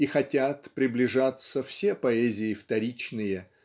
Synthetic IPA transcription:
ixɐtʲat̪pɾʲɪblʲɪʐat̪səfsʲepɐɛzʲɪɪft̪ɐɾʲit͡ɕnɨjə

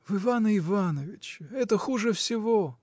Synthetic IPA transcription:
vɨvanəɪvanəvʲɪt͡ɕɪɛt̪əxuʐɨfsʲɪvo

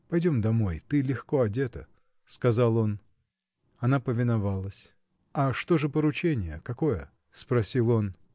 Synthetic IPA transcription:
pɐjdʲo̞md̪ɐmo̞jt̪ɨlʲɪxko̞ɐdʲe̞t̪ə̰ | skɐzalˠo̞n | ɐnapəvʲɪnɐvalˠəsʲ | ɐʂt̪o̞ʐɨpəɾʊt͡ɕenʲɪjəkɐko̞jə̰ | spɾɐsʲilˠo̞n

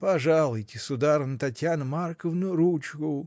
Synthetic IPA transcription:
pɐʐalˠʊjtʲɪsʊd̪aɾənət̪ɐtʲjanəmarkəvnəɾut͡ʃkʊ

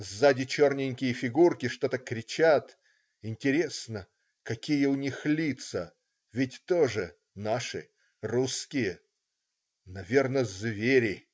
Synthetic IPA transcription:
zzadʲɪt͡ɕo̞rnʲɪnʲkʲɪjəfʲɪɡurkʲɪʂt̪o̞t̪əkɾʲɪt͡ɕat̪ | ɪnʲtʲɪɾʲe̞snə | kɐkʲijəʊnʲixlʲit̪sə | vʲɪtʲt̪oʐɨ | naʂɨ̰ | ruskʲɪjə | nɐvʲernəzvʲeɾʲɪ

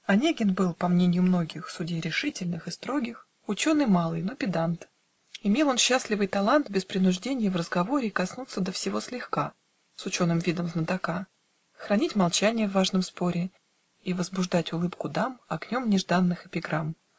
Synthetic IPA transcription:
ɐnʲeɡʲɪnbɨlˠpɐmnʲenʲɪjʊmno̞ɡʲɪxsʊdʲejɾʲɪʂɨtʲɪlʲnɨxɨst̪ɾo̞ɡʲɪx | ʊt͡ɕo̞nɨjmɑlˠɨjno̞pʲɪd̪ant̪ | ɪmʲelˠo̞nɕːasʲlʲɪvɨjt̪ɐlˠant̪bʲɪspɾʲɪnʊʐdʲenʲɪjəvrəzɡɐvo̞ɾʲɪːkɐsnut̪səd̪əfsʲɪvo̞slʲɪxka | sʊt͡ɕo̞nɨmvʲid̪əmznəd̪ɐka | xɾɐnʲitʲmɐlˠt͡ɕænʲɪjəvːaʐnəmspo̞ɾʲɪ | ivəzbʊʐd̪atʲʊlˠɨpkʊd̪amɐɡnʲo̞mnʲɪʐd̪anːɨxɪpʲɪɡɾam

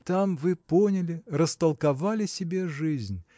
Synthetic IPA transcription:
t̪amvɨponʲɪlʲɪrəst̪əlˠkavalʲɪsʲɪbʲeʐɨzʲnʲ

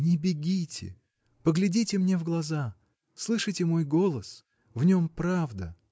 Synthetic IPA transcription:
nʲɪbʲɪɡʲitʲɪ̰ | pəɡlʲɪdʲitʲɪmnʲe̞vɡlˠɐza | slˠɨʂɨtʲɪmo̞jɡo̞lˠəs | vnʲo̞mpɾavd̪ə̰

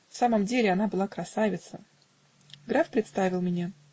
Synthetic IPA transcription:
fsaməmdʲelʲɪɐnabɨlˠakɾɐsavʲɪt̪sə | ɡɾafpɾʲɪt̪st̪avʲɪlˠmʲɪnʲa

